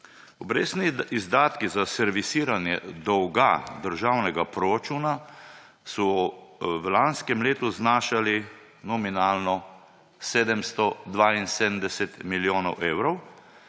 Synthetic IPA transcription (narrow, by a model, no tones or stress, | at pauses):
ɔbɾḛːsniizd̪aːt̪kizasɛɾʋisiːɾanjɛ̰d̪ɔwɡad̪əɾʒaːwnɛɡapɾoɾat͡ʃuːna | sɔ | ʋlanskɛmleːt̪uznaːʃali | nɔminaːlnɔ | seːd̪ɛmst̪ɔd̪ʋainseːd̪ənd̪ɛsɛt̪miljoːnɔ̰wʔeːwɾɔw